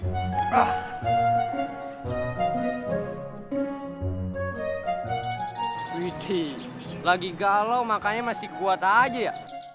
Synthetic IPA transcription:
a | it̪ʰi | laɡiɡalaumakaɲamasikuat̪ad͡ʒeja

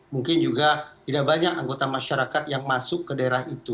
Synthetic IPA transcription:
muŋkɪnd͡ʒuɡat̪idaʔ̚baɲakaŋɡot̪amaʃaɾakat̪jaŋmasʊkːədaeɾaɦit̪u

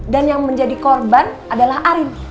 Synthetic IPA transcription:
danjaŋməɲd͡ʒadikɔrban | adalaɦʔaɾɪn

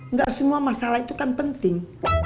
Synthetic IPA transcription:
ŋɡaʔsəmuamasalahit̪ukanpənt̪ɪŋ

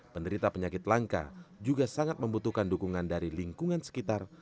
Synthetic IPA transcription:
pəndəɾit̪apəɲakɪt̪̚laŋka̰d͡ʒuɡasaŋat̪̚məmbut̪uhkandukuŋandaɾiliŋkuŋansə̥kit̪ar

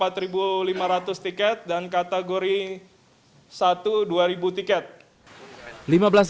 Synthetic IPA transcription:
pat̪ɾibulimaɾat̪ʊst̪ikɛt̪̚dankat̪eɡoɾi | sat̪uduaɾibut̪ikɛt̪̚ | limabəlas

